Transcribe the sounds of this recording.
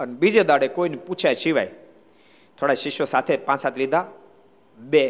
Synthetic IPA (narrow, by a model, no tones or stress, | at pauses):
ənebid͡ʒed̪aɽekoineput͡ʃʰjaʃiʋa̰j | t̪ʰoɽaʃiʃosat̪ʰepãt͡ʃsat̪ʰelid̪ʱa | be